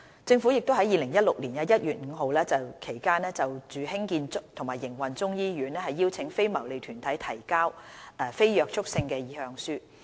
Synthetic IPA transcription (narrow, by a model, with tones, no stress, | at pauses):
t͡sɪ˧ŋfuː˨˥jɪ˨k̚t̪o˥wɦɐ˨˥jiː˨lɪ˨˩ŋjɐ˥t̚lʊ˨k̚liː˨˩nkɐ˧˥jɐ˥t̚jyː˨t̚ŋ̩ː˨˧ɦo˨wlɛː˥t͡sɐ˨wkʰe˨˩jkaː˥nɛː˥t͡sɐ˨wt͡ʃyː˨ɦɪ˥ŋkiː˧nt͡sʊ˥k̚t̪ʰʊ˨˩ŋmaː˨˩jɪ˨˩ŋwɐ˨˩nt͡sʊ˥ŋjiː˥jyː˨˧˥nɛː˥hɐ˨jːiː˥wt͡sʰɪ˨˥ŋfe˥jmɐ˨˩wle˨jt̪ʰyː˨˩nt̪ʰɐ˨˥jt̪ʰɐ˨˩jkaː˥wɛ˨˩fe˥jjœː˨k̚t͡ʃʰʊ˥k̚sɪ˧ŋkɛː˧jiː˨˥hœː˧ŋsyː˥